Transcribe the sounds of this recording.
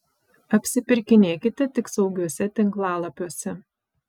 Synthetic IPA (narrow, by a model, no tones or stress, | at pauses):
ɐpʲsʲɪpʲɪɾʲkʲɪnʲeːkʲɪt̪ʲɛt̪ʲɪksɒʊɡʲuɔsʲɛt̪ʲɪŋklˠɑːlˠɐpʲuɔsʲɛ